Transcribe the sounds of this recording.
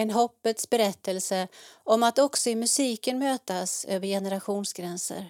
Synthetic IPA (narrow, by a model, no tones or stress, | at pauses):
ɛnɦɔpːət̪sbɛɾɛt̪ːəlsəʔɔmat̪ɔksɔɪmɵsiːkənmøːt̪asø̰ːvəɾjɛnəɾaɧuːnsɡɾɛnsə̰ɾ